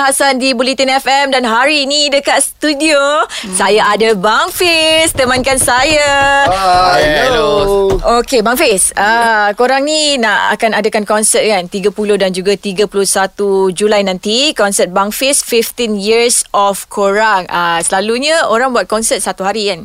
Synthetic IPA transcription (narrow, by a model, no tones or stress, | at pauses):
ɦasandibulit̪inɛfɛmdanɦaɾinidəkat̪st̪udiosajaʔadabaŋfest̪əmankansaja | okebaŋfesəkoɾaŋninaʔa̰kanadakankɔnsət̪̚kant̪iɡapulohdand͡ʒuɡat̪iɡapulosat̪ud͡ʒulajnãnt̪ikɔnsət̪̚baŋfesfift̪injiɾsɔfkʰoɾaŋəsəlaluɲə̃oɾaŋbuat̪̚kɔnsət̪̚sat̪uɦaɾikan